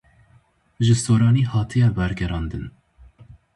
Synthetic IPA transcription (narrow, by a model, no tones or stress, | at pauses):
ʒɨsoːɾɑːniːhɑːt̪ʰɨjɛbɛɾɡɛɾɑːnd̪ɨn